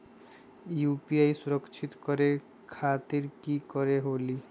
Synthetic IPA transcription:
jupiajsuɾəkt͡ʃʰit̪kɔɾe | kʰat̪iɾkikɔɾeɦoli

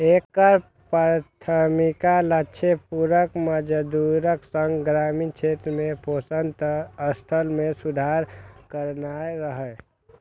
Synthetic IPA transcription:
ekːəɾ | pat̪ʰəmikaləːʃʰepuɾəkməd͡ʒəd̪uɾəksəŋɡɡɾaːmint͡ʃʰeːt̪ɾmẽposənd̪əst̪ʰəlmẽsud̪ʱaːɾkəɾnaeɾəɦɛ

